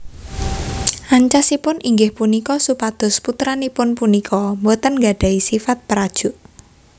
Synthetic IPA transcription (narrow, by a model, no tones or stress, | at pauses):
ʔaɲt͡ʃasipʊnʔiŋɡɪhpunikɔsupad̪̥ʊ̤sput̪ɾanipʊnpunikʰɔmbot̪ənŋɡaɖ̥ä̤isifat̪̚pəɾad̥ʒ̥ʊ̤ʔ